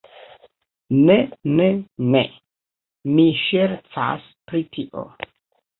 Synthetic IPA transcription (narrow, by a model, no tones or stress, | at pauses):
nenene | miʃeɾt͡sa̰s | pɾit̪ʰiʔo̰